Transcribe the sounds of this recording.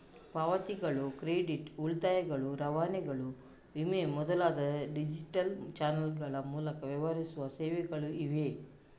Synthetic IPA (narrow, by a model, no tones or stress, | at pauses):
paʋɐt̪iɡɐɭukɾeːɖiʈuɭt̪aːjɐɡɐɭuɾɐʋaːnɛɡɐɭu | ʋimemɔd̪ɐlaːd̪ɐɖid͡ʒiʈɐlt͡ʃaːnɐlɡɐɭɐmuːlɐkɐʋjɐʋɐɾisuʋɐsɛːʋɛɡɐɭuiʋe